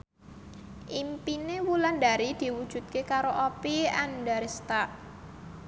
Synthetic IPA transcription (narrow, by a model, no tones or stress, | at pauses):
ʔimpinewulandaɾid̪̥i̤wud̥ʒ̥ṳt̪̚kekaɾoʔopiandaɾest̪aʔ